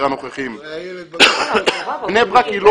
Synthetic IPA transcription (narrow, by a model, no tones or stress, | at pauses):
ʁanoχeχim | pnebʁakilo